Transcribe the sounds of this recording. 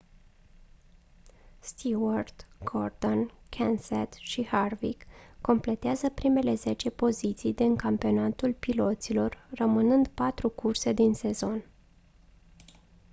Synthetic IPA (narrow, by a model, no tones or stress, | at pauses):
st̪ʰiword̪̥ɡ̥ord̪o̞n | kʰenset̪ʃiharvikːo̞mple̞t̪eazəpɾime̞le̞ze̞t͡ʃe̞po̞zit̪sijd̪iŋkampio̞nat̪ulpilo̞t̪silo̞rːəmɨnɨnd̪pat̪ɾukurse̞d̪inse̞zo̞n